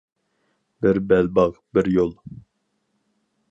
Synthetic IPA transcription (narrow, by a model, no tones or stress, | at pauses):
bɪɾbɛlbɑʁbɪɾjolˠ